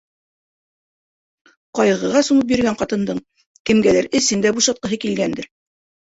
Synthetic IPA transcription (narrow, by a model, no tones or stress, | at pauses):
qɑjʁɤ̆ʁɑsumɤp̬jɵ̆ɾɡæɴqɑt̪ɤ̆nd̪ɤɴ | kɘ̆mɡælæɾɘ̆sɘnd̪æbuʃɑt̪̚qɤ̆ɦɤkilɡænd̪ɘɾ